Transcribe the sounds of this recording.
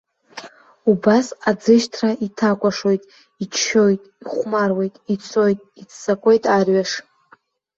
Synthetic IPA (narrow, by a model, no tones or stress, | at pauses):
ubasad͡zɨʃtʰraitʰakʷʼaʂo̞jtʼ | it͡ʃʰːo̞jtʼiχʷmarwe̞jtʼit͡sʰo̞jtʼit͡sʰːsakʷʼe̞jtʼarɥaʂ